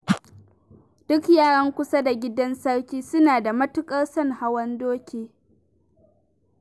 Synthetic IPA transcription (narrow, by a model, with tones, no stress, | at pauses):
d̥ʊ˦kjaː˦˨ɽɐ˦ŋkʷʊ˦sa˦da˨ɡʲɪ˦dɐ˦nsɐ˦ɽkʲiː˦sʊ˦naː˨da˨mɐ˦tʊ˦kʼɐ˦rsɐ˦ŋha˦wɐ˦ndoː˦kʲeː˨